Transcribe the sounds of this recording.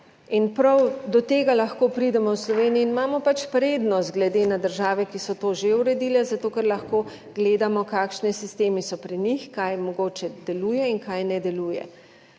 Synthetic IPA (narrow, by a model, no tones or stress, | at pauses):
inpɾawd̪ɔt̪eːɡalɐxkoːpɾid̪ɛmɔwslɔʋeːniiːnimaːmɔpat͡ʃpɾeːd̪nɔst̪̚ɡlɛd̪eːnad̪əɾʒaːʋɛkisɔt̪oːʒeuɾɛd̪iːlɛzat̪oːkɛɾlɐxkoː | ɡleːd̪amɔkaːkʃnɛsist̪eːmisɔpɾinixkajmɔɡoːt͡ʃɛd̪ɛluːjɛinkajnɛd̪ɛluːjɛ̰